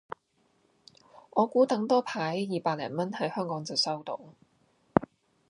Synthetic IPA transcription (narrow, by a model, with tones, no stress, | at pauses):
ʔɔː˨˧kuː˨˥t̪ɐ˨˥ŋt̪ɔː˥pʰaː˨˥jːiː˨paː˧t̚lɛ̰ː˨˩nmɐ˥nhɐ˨˥jhœː˥ŋkɔː˨˥ŋt͡sɐ˨˩wsɐ˥wt̪o˨˧˥w